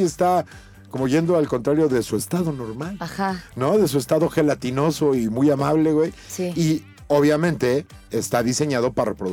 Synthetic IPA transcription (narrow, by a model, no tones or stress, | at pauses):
est̪a | ko̞mo̞ʝe̞nd̪o̞alko̞nt̪ɾaɾjo̞ðe̞sue̞st̪aðo̞no̞ɾmalaxano̞ðe̞s̬ue̞st̪aðo̞xe̞lat̪ino̞so̞imujamaβle̞ɣwe̞jsii | o̞β̞jamẽnt̪e̞ː | st̪aðise̞ɲaðo̞paɾarepɾo